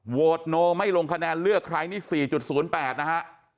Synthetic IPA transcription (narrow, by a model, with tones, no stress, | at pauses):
woː˨˩t̪̚noː˧ma˥˩jlo˧ŋkʰa˧nɛː˧nlɯ˥˩əkʰɾaː˧jniː˥˩siː˨˩t͡ɕu˨˩t̪̚suː˩˦npɛː˨˩t̪̚na˦˥kʰa˦˥ʔ